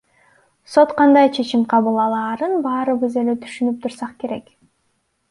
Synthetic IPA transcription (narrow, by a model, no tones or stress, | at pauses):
so̞t̪qʰɑnd̪ɑjt͡ʃʰe̞t͡ʃimqʰɑβɯlˠɑlˠɑːɾɯnbɑːɾɯβɯze̞let̪ʰy̥ʃynyp̚t̪ʰuɾsɑqke̞ɾe̞k